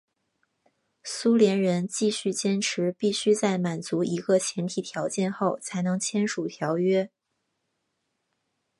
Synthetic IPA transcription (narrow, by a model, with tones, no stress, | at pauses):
su˥ljɛ˧˥nɻə˧˥nt͡ɕi˥˧ɕy˥˩t͡ɕjɛ˥nʈ͡ʂʰɻ̩˧˥pi˥˩ɕy˥t͡sa˥˩ɪma˨˩nt͡su˧˥i˧˥ɡə˧t͡ɕʰjɛ˧˥nt̪ʰi˨˩t̪ʰjɑ˧˥ʊt͡ɕjɛ˥˧nxo˥˩ʊt͡sʰa˧˥ɪnɤ˧˥ŋt͡ɕʰjɛ˥nʂu˨˩t̪ʰjɑ˧˥ʊɥɛ˥